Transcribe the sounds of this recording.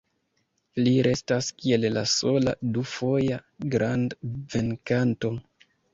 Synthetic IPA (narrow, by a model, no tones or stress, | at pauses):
liɾe̞staskie̞llaso̞ladufo̞jaɡɾʔandve̞nkanto̞